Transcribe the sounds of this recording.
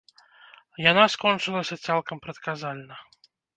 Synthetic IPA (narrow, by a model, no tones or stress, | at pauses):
janaskɔnt͡ʂɨlˠɐsʲɐt̪salˠkɐmpɾɐt̪kazalʲnɐ